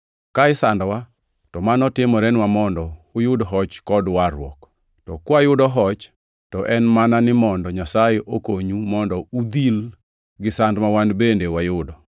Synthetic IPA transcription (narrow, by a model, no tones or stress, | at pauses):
kaɪsandwa | tɔmanɔtɪmɔɾɛnwamɔndɔʊjʊdɦɔt͡ʃkɔdwaɾwɔ̰k | tɔkwajʊdɔɦɔt͡ʃ | tɔʔɛnmananɪmɔndɔɲasajeʔokoɲumɔndɔud̪il | ɡɪsandmawanbendewajʊdɔ